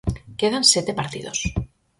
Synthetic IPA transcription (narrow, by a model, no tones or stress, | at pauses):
keðanset̪epaɾt̪ḭð̞os